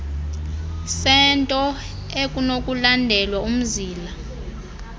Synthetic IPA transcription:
sɛntʼɔ | ekʼunokʼulandʱɛlwaum̩ziːla

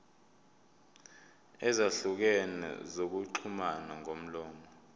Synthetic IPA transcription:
ɛzaɬuk̬ɛnɛ̰zok̬uǃʰumanaŋʱom̩lɔːmɔ

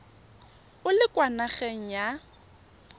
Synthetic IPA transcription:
ʊlɪkʼwanaχɛŋ̩ja

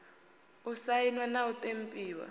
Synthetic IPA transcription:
usainwanautʼempʼiːwa̰

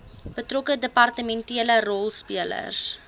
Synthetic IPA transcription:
b̥ətrɔkədəpɐrtəmɛntiələrɔlˠspiələ̰rs

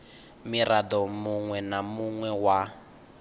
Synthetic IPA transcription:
mirad̪ɔmuŋwɛnamuŋwɛwa

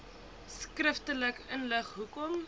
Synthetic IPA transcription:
skrəftələkənləχɦukɔm

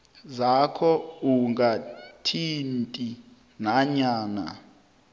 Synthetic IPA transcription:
zakʰɔuŋɡatʰintʼi | naɲaːna̰

